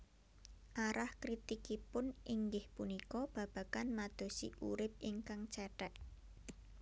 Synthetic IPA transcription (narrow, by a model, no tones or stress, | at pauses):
ʔaɾahkɾit̪ikipʊnʔiŋɡɪhpunikɔb̥ä̤b̥ä̤kanmad̪̥o̤sḭʔṵɾɪp̚iŋkaŋt͡ʃɛʈɛʔ̚